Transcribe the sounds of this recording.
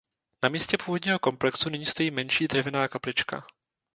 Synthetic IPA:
namiːscɛpuːvo̞dɲiːɦo̞ko̞mplɛksunɪɲiːst̪o̞jiːmɛnʃiːd̪r̝ɛvɪnaːkaplɪt͡ʃka̰

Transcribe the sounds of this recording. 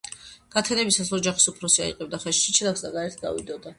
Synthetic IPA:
ɡ̥at̪ʰɛnɛbisasɔd͡ʒaχi̥supʰɾɔsia̰ḭqʼɛbd̪aχɛʃʃit͡ʃʰɛlˠaksd̪aɡaɛɾt̪ʰɡa̰vḭd̪ɔd̪a

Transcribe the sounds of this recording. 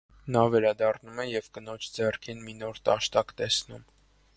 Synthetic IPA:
nɑvɛɾɑd̪ɑrnumɛjɛvkənɔt͡ʃʰd͡zɛrkʰinminɔɾt̪ɑʃt̪ɑkt̪ɛsnum

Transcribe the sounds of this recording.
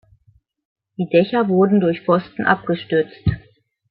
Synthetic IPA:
d̥iːdɛçɐvʊɐdn̩dʊɐçfɔstn̩ʔa̰p̚ɡ̥əʃtʏɐt͡st

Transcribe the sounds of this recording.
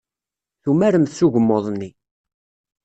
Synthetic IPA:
θumæɾəmθsuʝəmːoðˤnːi

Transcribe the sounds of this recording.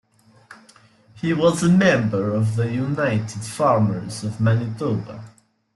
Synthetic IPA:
hiwʌzəmɛ̃mbə˞ʌvðəjunaɪtʰɨd̥fɑɹmə˞zʌvmænɪtobə̰

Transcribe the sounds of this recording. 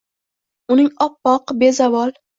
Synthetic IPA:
ʊnɪŋɒpːɒqbe̞zavɒlˠ

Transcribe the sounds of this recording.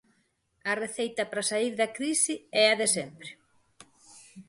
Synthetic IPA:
ɐreθejt̪ɐpɾɐsaiɾðɐkɾisɪɛɐðesɛmpɾɪ

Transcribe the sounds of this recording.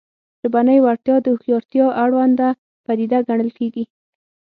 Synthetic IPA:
ʒəbanəjwaɾt̪jɑd̪əxjɑɾt̪jɑʔaɽwand̪a | pad̪id̪aɡaɳəlkeɡi

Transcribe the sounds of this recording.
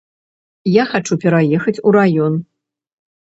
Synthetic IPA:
jaxat͡ʂupʲɛɾajɛxɐt͡sʲuɾajɔn

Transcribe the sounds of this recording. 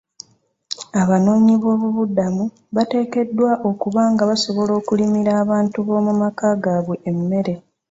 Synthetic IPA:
aβano̞ːɲiβo̞ːβuβudamu | βate̞ːke̞dːwaʔo̞kuβaːŋɡaβaso̞βo̞lo̞ːkulimiɾaːβaːntuβo̞ːmumakaːɡaβweːmːe̞ɾe̞

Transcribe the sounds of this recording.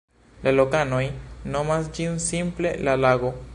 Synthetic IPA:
lalo̞kano̞jno̞masd͡ʒinsimple̞̰lalaɡo̞

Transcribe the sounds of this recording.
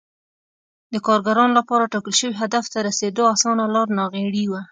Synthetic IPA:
d̪əkɑɾɡaɾɑnolapɑɾaʈɑkəlʃəwiɦad̪aft̪aɾased̪oasɑnalɑɾnɑɣeɽiwa

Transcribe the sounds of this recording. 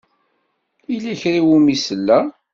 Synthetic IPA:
ilæçɾiwumisəlːæ

